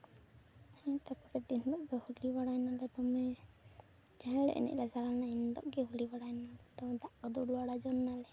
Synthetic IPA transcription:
hɛ̃t̪akɔɾɛt̪ind̪ɔʔɡɛhulibaɽajnalɛt̪ɔmɛ | d͡ʒaɦɛ̃ɽɛ̰ʔnɛ̰ʔlasaɾanaind̪ɔ̰ʔɡɛɦulibaɽajnalɛt̪ɔmɛd̪aʔkɔd̪ɔɽuaɽad͡ʒɔnːalɛ

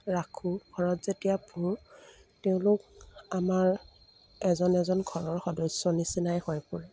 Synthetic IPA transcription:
ɹakʰuɡʱɔɹɔtz̥etijabʰʱuɹ | teʊ̃lʊk̚amaɹ | ɛzɔnɛzɔnɡʱɔɹɔɹxɔdɔjsɔnisinajhɔjpʊɹɛ

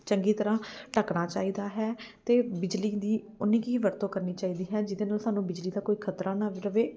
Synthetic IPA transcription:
t͡ʃəŋɡiːt̪əɾãːʈəkɽaːt͡ʃaːiːd̪aːɦɛːt̪eːbɪd͡ʒliːd̪iː | ʊnĩːkiːʋəɾt̪õːkəɾniːt͡ʃaːiːd̪iːɦɛːd͡ʒɪd̪eːnaːlsaːnũːbɪd͡ʒliːd̪aːkoːiːkʰət̪ɾãːnaʋɾəʋeː

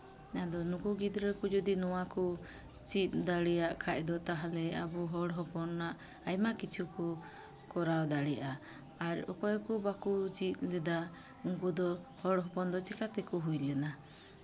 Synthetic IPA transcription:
nad̪ɔnukuɡid̪ɾɛkɔd͡ʒɔd̪inɔwakɔ | t͡ʃit̪̚ˀd̪aɽɛjaʔkʰac̚ˀd̪ɔt̪aɦalɛa̰buɦɔɽɦɔpɔnːaʔ | ajmakit͡ʃʰukɔ | kɔɾawd̪aɽɛjaʔa | aɾɔ̰kɔjɔkubakut͡ʃit̪̚lɛd̪a | uŋkud̪ɔhɔɽɦɔpɔnd̪ɔt͡ʃikat̪ɛkɔɦujlɛna

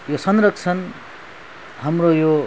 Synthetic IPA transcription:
josʌnrʌk̚t͡sʰʌn | ɦamrojo

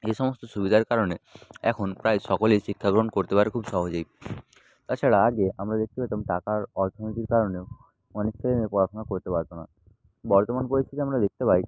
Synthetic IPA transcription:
eʃɔmost̪oʃubid̪ʱaɾkaɾoneɛkʰonpɾajʃɔkolejʃikʰːaɡɾonkoɾt̪epaɾekʰubʃɔɦod͡ʑej | t̪aɾt͡ɕʰaɽaaɡeamɾad̪ek̚t̪epajt̪amʈakaɾɔɾt̪ʰonit̪iɾkaɾoneoʊ | ɔnek̚t͡ɕʰelenepɔɾaʃʰonakoɾt̪epaɾt̪ona | bɔɾt̪omanpoɾisʰit̪eamɾad̪ek̚ʰt̪epaj

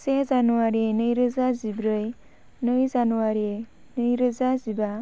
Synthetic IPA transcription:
sezanuwaɾinɯjɾɯzazibɾɯj | nɯjzanuwaɾe | nɯjɾɯzaziba

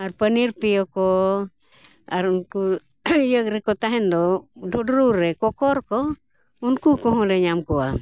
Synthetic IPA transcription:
arpəniɾpiɔkɔ | aɾunku | jək̚ɾɛkɔt̪aɦɛnd̪ɔdʱudɾuɾɛkɔkɔɾkɔ | unkukɔɦɔ̃lɛɲamkɔa

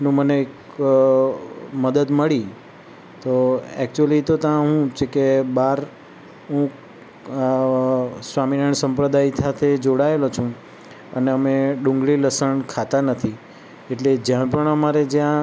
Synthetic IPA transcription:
nũməneːk | məd̪əd̪məɭi | t̪oɛ̰kt͡ʃuəlit̪ot̪əãɦũt͡ʃʰekebaɾ | ɦũ | sʋaminəɳsəmpɾəd̪aisat̪ʰed͡ʒoɽaelot͡ʃʰũ | əneəmeɖũŋɡɭiləsəɳkʰat̪anət̪ʰi | eʈled͡ʒjãpəɳəmaɾed͡ʒjã

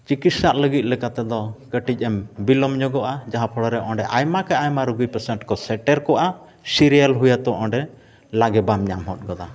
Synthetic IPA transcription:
t͡ʃikit̪saʔ̪ləɡit̪̚ˀlɛkat̪ɛd̪ɔkəʈic̚ˀɛmbilɔmɲɔɡɔʔad͡ʒaɦapʰɔɽɔɾɛʔɔ̃ɳɖɛʔajmakaajmaɾuɡujpəɾsɛɳʈkɔsɛʈɛɾkɔʔa | siɾijalɦujat̪ɔʔɔ̃ɳɖɛ | laɡɛbamɲamɦɔt̪̚ˀɡɔd̪a

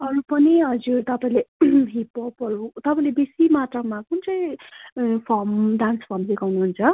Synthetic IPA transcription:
ʌɾupʌniɦʌd͡zurt̪ʌpãĩleɦipʌpʌɾut̪ʌpãĩlebesimat̪rʌmakunt͡sʌĩ | pʰʌmɖanspʰʌrmdekawnuɦunt͡sʰʌ

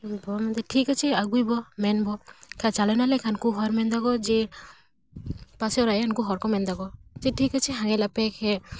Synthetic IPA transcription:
bɔmɛnd̪ɛʈʰikat͡ʃʰiaɡujbɔmɛnbɔkʰat͡ʃalɔnalɛkʰankuɦɔɾmɛnd̪aɡɔd͡ʒɛ | pasɛɔɾaɛankuɦɔɾkɔmɛnd̪aɡɔd͡ʒɛʈʰikat͡ʃʰiɦaŋɛlapɛkʰɛ

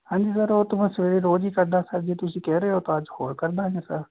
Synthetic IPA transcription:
hãːɲd͡ʒiːsəɾoːt̪ʊmãːsəʋeːɾeːɾoːd͡ʒiːkəɾd̪aːsəɾd͡ʒeːt̪ʊsĩːkɛːɾeːɦoːt̪ãːəd͡ʒhoːɾkəɾd̪aːẽːsəɾ

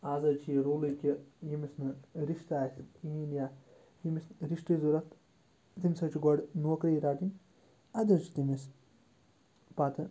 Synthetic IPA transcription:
aːzɐt͡ʃʰiɾoːlikʲijimisnɨɾiʃt̪aːsʲit̪iinja | jimisɾiʃʈ̪izuɾɐt̪ | t̪imʲsɐt͡ʃiɡɐɖnuːkɾiːɾaːt̪inʲ | ɐd̪ʲɐt͡ʃit̪imis | paːt̪ɨ

